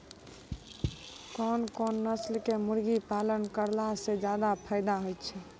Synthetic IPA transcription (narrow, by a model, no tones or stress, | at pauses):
kɔnkɔnːəslkemuɾɡipalənkəɾlased͡ʒad̪apʰaɪd̪aɦojt̪t͡ʃʰɛ